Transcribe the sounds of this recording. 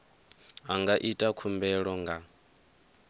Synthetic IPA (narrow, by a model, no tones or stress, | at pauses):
aŋɡaʔitʼakʰumbɛɺɔŋɡa